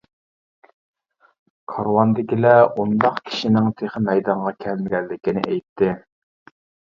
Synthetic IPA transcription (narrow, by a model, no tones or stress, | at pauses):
kʰɑɾwɑnd̪ɪkʲilɛund̪ɑqkʲʰi̥ʃinɪŋt̪ʰeχəmɛjd̪ɑɴʁɑkʲʰɛlmɪɡʲɛlːɪkʲinɪ̰ʔɛjt̪ʰːɪ